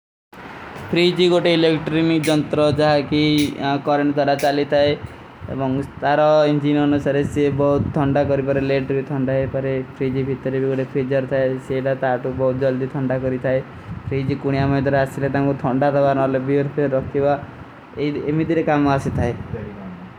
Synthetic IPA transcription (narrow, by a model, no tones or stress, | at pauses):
pʰɾid͡ʒiɡoʈeilekʈɾinik̚d͡ʒɔnt̪ɾɔd͡ʒaɦakikɔɾeɳd̪aɾat͡ʃalit̪ʰae | ḛbɔŋt̪aɾɔind͡ʒinɔnusaɾesebɔɦut̪t̪ʰɔɳɖakɔɾip̬ɔɾeleɖuɡit̪ʰɔɳɖaepɔɾepʰɾid͡ʒibʱit̪ɔɾebiɡoʈepʰɾid͡ʒɔɾt̪ʰaeseʈat̪aʈubɔɦut̪d͡ʒɔld̪it̪ʰɔɳɖakɔɾit̪ʰae | pʰɾid͡ʒikuɽ̃ijamaed̪ʱwaɾaːsilet̪aŋkut̪ʰɔɳɖaɾɔbanɔlebiɔɾpʰɾɔkʰiba | eiemid̪iɾekamɔasit̪ʰae